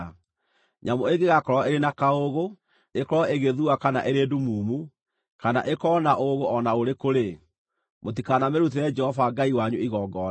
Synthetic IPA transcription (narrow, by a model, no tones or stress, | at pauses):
ɲamoeɡeɣakɔɾɔeɾenakaoɣo | ekɔɾɔeɣeðuakana̰ʔeɾedumuːmu | kana̰ʔekɔnaʔoɣoʔɔnaoɾekoɾe | mot̬ikanameɾut̬eɾɛd͡ʒɛhɔvaɡaiwaɲuiɣɔɡɔ